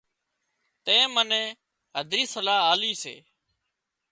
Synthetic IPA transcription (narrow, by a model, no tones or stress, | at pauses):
t̪ẽːmənẽː | ɦəd̪ʱɾiːsəlaːaːliːsḛː